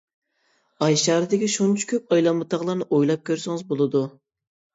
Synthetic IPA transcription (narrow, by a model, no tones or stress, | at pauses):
ɑjʃɑːɾɨd̪ɪkʲiʃunt͡ʃʰu̥kʲøp̚ɑjlˠɑmːɨt̪ʰɑʁlˠɑɾnɨʔojlˠɑp̚kʲʰøɾsɪŋɨzbolˠɨd̪u